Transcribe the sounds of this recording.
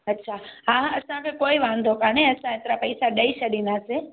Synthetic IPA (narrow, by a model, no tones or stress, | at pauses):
ətːʃʰaɦãəsãkekoiʋãnd̪ʱokaneəsãẽt̪ɾapəjsaɗəiʃəɗinase